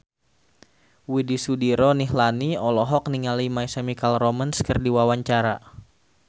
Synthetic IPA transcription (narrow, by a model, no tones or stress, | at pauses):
widisudiɾɔniɦlaniɔlɔɦɔk̚niŋalimajsamikalrɔmənskərdiwawaɲt͡ʃaɾa